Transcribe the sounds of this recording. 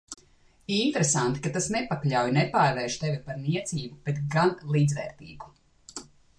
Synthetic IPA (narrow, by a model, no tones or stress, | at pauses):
int̪ɾesant̪i̥kat̪asnɛpaklʲawjnɛpaːɾvɛːʃt̪evʲipaɾniɛt̪siːbub̥et̪ɡanlˠiːd̪zvɛ̰ːɾt̪ḭːbu